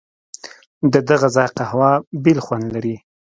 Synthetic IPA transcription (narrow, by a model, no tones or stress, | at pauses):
d̪əd̪aɣazɑjqahwɑbelxwand̪laɾi